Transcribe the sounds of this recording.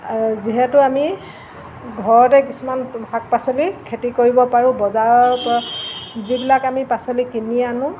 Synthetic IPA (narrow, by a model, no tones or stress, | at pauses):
ziɦɛtʊami | ɡʱɔɹɔtɛkisumanhak̚pasolikʰetikoɹibɔpaɹʊ̃bɔzaɔp | zibilakamipasolikinianʊ̃